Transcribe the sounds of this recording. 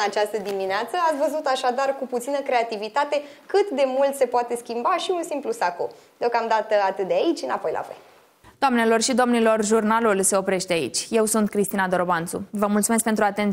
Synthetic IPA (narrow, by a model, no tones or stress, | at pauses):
at͡ʃast̪əd̪imineat̪səat̪sʲvəzut̪aʃad̪arkuput̪sinəkɾe̞at̪ivit̪at̪e̞kɨt̪d̪e̞mult̪se̞poat̪e̞skʲimbaʃiunsimplusaku | d̪̥eo̞kamd̪at̪əat̪ɨt̪d̪eait͡ʃʲɨnapo̞jla̰fḛ | d̪̥oamne̞lo̞rʃid̪o̞mnilo̞rʒurnalulse̞o̞pɾe̞ʃt̪eaḭt͡ʃʲje̞wsunt̪̚kɾist̪inad̪o̞ɾobant̪sṵvəmult̪sumekpe̞nt̪ɾuat̪ent